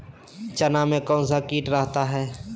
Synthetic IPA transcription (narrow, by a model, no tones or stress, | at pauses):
t͡ʃɐnamẽkɔ̃ːnsakiːʈɾɐɦt̪aɦɛː